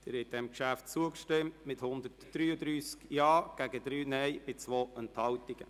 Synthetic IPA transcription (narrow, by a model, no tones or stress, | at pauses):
d̪̥ɪɾhɛt̚d̥̪ɛmkʃæftt͡suəkʃtɪmtmɪthʊnd̪ətd̥̪ɾyːəd̪ɾyːskjɑːɡ̥æɡəd̪ɾyːnɛjb̥ɪt͡sʋoːɛnt̪hɑwtiɡ̥ə̰